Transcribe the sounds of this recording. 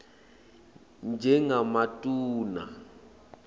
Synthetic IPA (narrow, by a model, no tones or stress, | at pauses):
nd͡ʒʱɛŋamatʼuːna̰